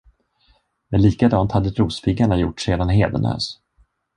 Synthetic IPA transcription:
mɛnliːkad̪ɑːnt̪had̪ːəɾuːsfɪɡaɳajʊʈːseːd̪anɦḛːd̪ə̰nœ̰ːs

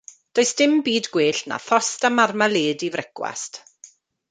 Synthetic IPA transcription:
d̥oːɨsd̥ɪmbiːdɡweːɬna̰θɔstamarmaleːdivrʔɛkwa̰st

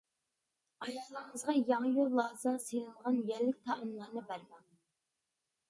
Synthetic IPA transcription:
ɑjɑːlˠəɾŋəzʁɑjɑŋjolˠːɑːzɨsenɨlˠʁɑnjæɾlːɪk̚ʲt̪ʰɑʔəmlˠɑɾnɨbæɾmɛŋ

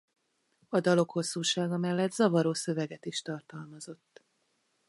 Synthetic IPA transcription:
ɒd̪ɒlo̞kho̞sːuːʃaːɡɒmɛlːɛd̪zɒvɒɾoːsø̞vɛɡɛt̪iʃt̪ɒrt̪ɒlmɒzo̞t̪ː

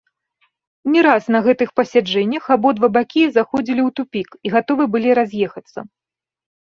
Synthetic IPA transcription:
nʲɛɾasnɐɣɛt̪ɨxpɐsʲad͡ʐɛnʲːɐxabɔd̪vɐbakʲizaxɔd͡zʲilʲiwt̪upʲikiɣat̪ɔvɨbɨlʲiɾazʲjɛxɐt̪sːɐ̰

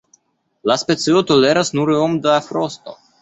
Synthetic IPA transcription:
laspe̞siot̪o̞le̞ɾasnuɾomd̪afɾo̞st̪o̞̰

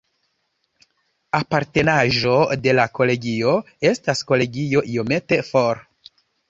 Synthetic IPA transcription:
apaɾte̞naʒo̞de̞lako̞le̞ɡio̞ | e̞stasko̞le̞ɡio̞ʔio̞me̞te̞foɾ

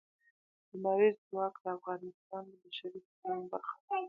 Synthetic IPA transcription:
d̪̥əmaɾizəwɑkd̪əafɣɑnɪst̪ɑnd̪əbaʃaɾisaanbaɾxḁ

